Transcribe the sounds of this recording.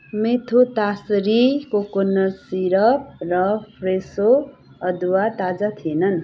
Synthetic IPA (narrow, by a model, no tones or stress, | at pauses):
met̪ʰot̪asɾikokonːʌsiɾʌp̚rʌpʰɾeso | ʌd̪uwat̪ad͡zat̪ʰienʌn